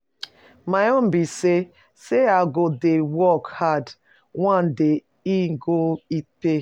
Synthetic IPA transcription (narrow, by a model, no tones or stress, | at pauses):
maɔ̃mbise | seaɡodewɔkhad | wãnde | iɡoipe